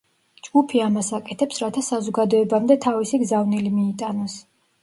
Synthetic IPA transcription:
d͡ʒɡ̥upʰiamasakʼɛt̪ʰɛpsɾat̪ʰasazɔɡad̪ɔɛbamd̪ɛt̪ʰavisiɡzavnilimiːt̪ʼanɔs

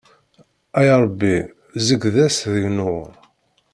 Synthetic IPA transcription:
æjɾˤəbːi | zəɡðæsðəʝnʊ

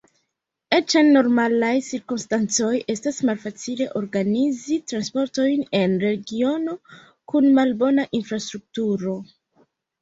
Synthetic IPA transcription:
et͡ʃanːo̞ɾmalajsiɾkumstant͡so̞je̞stasmalfat͡sile̞ʔo̞ɾɡanizitɾanspo̞ɾto̞jne̞nɾe̞ɡio̞no̞ | kunmalbo̞naʔinfɾastɾuk̚tuɾo̞

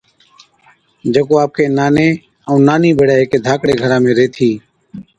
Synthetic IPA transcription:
d͡ʒəkoːaːp̚keːnaːneː | əũːnaːniːbʱeːɽaːeːkeːd̪ʱaːkɽeːɡʱəɾãːmẽːɾeːt̪ʰiː

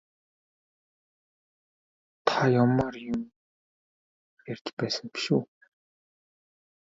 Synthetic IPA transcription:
t̪ʰajʊmːarjʊm | ert͡ɕ̪pæːsə̆ŋpi̥ʃuː

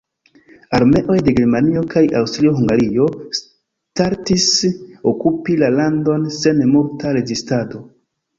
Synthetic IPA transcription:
aɾme̞ʔo̞jde̞ɡe̞ɾmanio̞kʰajawstaɾioɦuŋɡaɾio̞s | taɾtisokupilalando̞nse̞nemultaɾe̞ɡistado̞

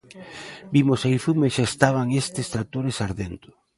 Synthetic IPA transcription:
bimosajfumeʃaest̪aβ̞aŋest̪ɪst̪ɾat̪oɾesaɾðent̪ʊ̥

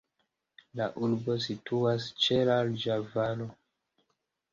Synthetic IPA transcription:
laʔuɾbo̞s̬ituast͡ʃe̞lald͡ʒavalo

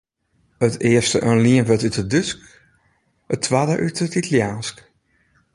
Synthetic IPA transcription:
ətɪəstəʔənliənvətytədʏsk | ətʰːʋaːdəʔytətitəljaːnsk

